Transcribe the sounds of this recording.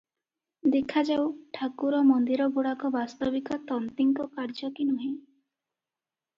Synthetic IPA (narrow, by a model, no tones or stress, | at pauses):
d̪ekʰad͡ʒawʈʰakuɾɔmɔnd̪iɾɔɡuɽakɔbast̪ɔbikɔt̪ɔnt̪iŋkɔkaɾd͡ʒɔkinuɦĩ